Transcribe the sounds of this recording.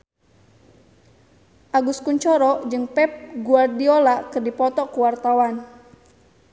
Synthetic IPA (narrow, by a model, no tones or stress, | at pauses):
ʔaɡuskuɲt͡ʃɔɾɔd͡ʒɨŋpɛp̚ɡuardiolakɨrdipɔt̪ɔkuwart̪awan